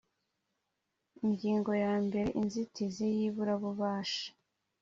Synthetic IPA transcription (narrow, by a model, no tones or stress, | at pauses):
iɲɟiːŋɡo̞jaːmbe̞ɾe̞ʔinzitizejiβuɾaβuβaːʃḁ